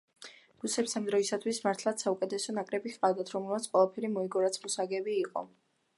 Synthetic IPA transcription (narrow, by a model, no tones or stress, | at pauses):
ɡ̥usɛpsamd̪ɾɔisat̪ʰwismaɾt̪ʰlˠat̪saukʼɛt̪ʰɛsɔnakʼɾɛbiqʼavd̪at̪ʰɾɔmɛlˠmat̪sʰqʼwɛlˠapʰɛɾimɔiɡɔɾat̪sʰmusaɡɛbiːqʼɔ̰